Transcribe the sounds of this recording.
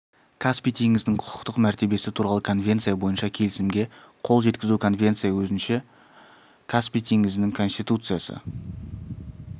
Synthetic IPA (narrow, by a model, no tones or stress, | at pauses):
kʰospijt̪ʰeŋɡɪzd̪ɪŋqʰʊ̥qʰə̥t̪əqmæɾt̪e̞be̞sɪt̪ʰuɾɑlˠəkʰo̞nvʲe̞nt̪sɨijabo̞jənʃɑkʲʰe̞lɪsɪmɡʲe̞ | qʰo̞lˠʒe̞t̪kʲɪzukʰo̞nve̞nt̪sɨjawɵzɪnʃe̞ | kʰaspʲijt̪ʰeŋɡɪzɪnɪŋkʰo̞nst̪ʲijt̪ut̪sɨjasə̰